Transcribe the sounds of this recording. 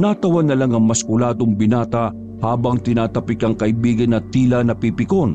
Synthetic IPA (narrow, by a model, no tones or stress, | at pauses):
naːt̪ɐwɐd̪ːɐlaŋɐŋmɐskʊlaːd̪oŋbɪnaːt̪ɐ | haːbɐŋt̪ɪnaːt̪ɐpɪkɐŋkɐʔɪbiːɡɐnːɐt̪iːlɐnɐpipɪkon